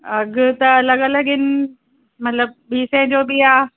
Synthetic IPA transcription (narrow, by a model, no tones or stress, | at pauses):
aɡət̪alaɡalaɡɪn | maləp̚bisɛnd͡ʒobia